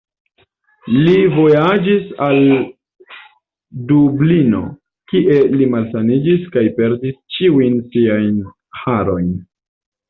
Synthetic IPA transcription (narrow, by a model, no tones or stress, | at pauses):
livo̞jad͡ʒisal | dublino̞̰ | kiʔe̞limalsanid͡ʒiskajpe̞ɾdist͡ʃiujnsiajn | haɾo̞jn